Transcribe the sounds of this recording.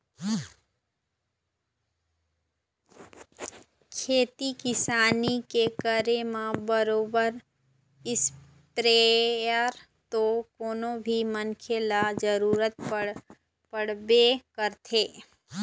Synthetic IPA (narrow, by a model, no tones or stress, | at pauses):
kʰeːt̪ikɪsaːnikekəɾemãbəɾoːbəɾ | ɪs | pɾejəɾ | t̪okoːnõbʱimənkʰelad͡ʒəɾuːɾət̪̚ | pəɽbekəɾt̪ʰeː